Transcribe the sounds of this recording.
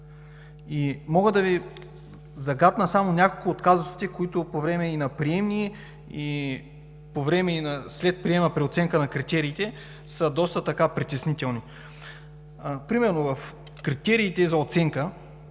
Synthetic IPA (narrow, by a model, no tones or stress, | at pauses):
imɔɡəd̪ɐvi | zɐɡat̪nəsamonʲakolˠkʊːt̪kazosi̥t̪ɛkoit̪ʊpovɾɛmɛinɐpɾiɛmni | i | povɾɛmɛinɐslɛt̪̚pɾiɛmnəpɾiot̪sɛŋkənɐkɾit̪ɛɾiːt̪ɛ | səd̪ɔst̪ət̪ɐkapɾit̪ʲɛsnit̪ɛlˠni | pɾimɛɾnovɐf | kɾit̪ɛɾiːt̪ɛzɐot̪sɛŋkə